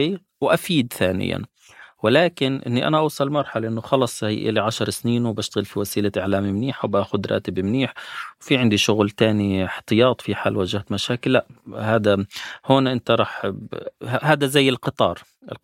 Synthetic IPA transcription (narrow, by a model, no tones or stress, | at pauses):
i | wʔafiːd̪θaːnɪ̰ja̰n | wɪlaːkɪnʔɪ̰nːiʔa̰naʔɑwsˤɑlmɑɾˤħalʔɪnːʊxɑlɑsˤhijʔɪ̰laʕaʃɑɾˤsniːnwbaʃt̪aɣɪlfiwasiːlaʔɪʕlaːmimniːħawbaːxʊd̪ɾʔɑ̰ːt̪ɪbɪmniːħwfiʕɪnd̪iʃʊɣlt̪aːniħt̪ɨjɑːt̪ˤfiħaːlwaːd͡ʒahat̪maʃaːkɪlːaʔhaːd̪ahoːnʔɪnt̪aɾˤɑːħ | ahaːd̪azajːɪlqɨt̪ˤɑ̰ːɾˤ | ʔɪ̰l